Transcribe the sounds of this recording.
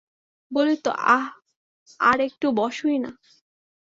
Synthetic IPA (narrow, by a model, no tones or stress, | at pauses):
bolit̪o̰ʔa | a̰ɾek̚ʈubɔʃujna̰